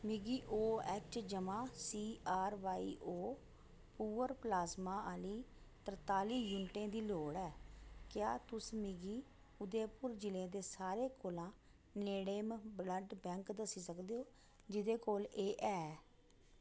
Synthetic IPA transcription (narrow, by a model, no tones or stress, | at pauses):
mɪɡiːʔoːɛt͡ʃd͡ʒəmãːsiːaːɾʋaːiːʔoː | puːəɾplaːzmãːaːliː | t̪əɾt̪aːliːjʊnʈẽːd̪iːloːɽɛːkjaːt̪ʊsmɪɡiː | ʊd̪eːpʊɾd͡ʒɪlẽːd̪eːsaːɾeːkoːlãː | neːɽeːmbləɖbɛ̃ːŋkd̪əsiːsəkd̪eːoː | d͡ʒɪd̪eːkoːleːʔɛː